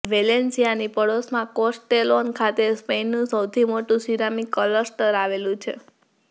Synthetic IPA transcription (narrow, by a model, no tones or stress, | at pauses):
ʋelensijanipəɽosmãkosʈelonkʰat̪espenːũsəwt̪ʰimoʈũsiɾamikːələɾsʈəɾaʋelũt͡ʃʰḛ